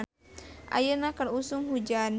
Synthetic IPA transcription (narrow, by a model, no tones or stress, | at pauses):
ʔa̰jənakərusuŋhud͡ʒan